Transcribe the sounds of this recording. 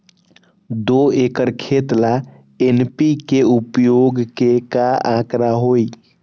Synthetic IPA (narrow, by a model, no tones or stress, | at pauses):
d̪oekəɾkʰet̪la | enpikeupjoɡkekaãkɾaɦoi